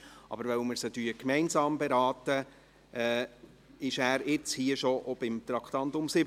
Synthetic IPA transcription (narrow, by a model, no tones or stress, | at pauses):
ʔɑ̰bəɾʋɛwməɾsədyːəkmɛɪnsɑːmbɛɾɑːt̪ə | ʔɛ | ɪʃæːɾɪt͡shiəʃɔʔɔb̥ɪmt̪ɾɑkχt̪ɑnt̪ʊmsɪb